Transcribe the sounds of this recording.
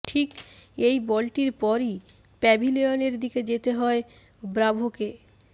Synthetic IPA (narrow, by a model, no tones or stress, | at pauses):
ʈʰikejbɔlʈiɾpɔɾi | pɛbʱileoneɾd̪iked͡ʑet̪eɦɔe | bɾabʱoke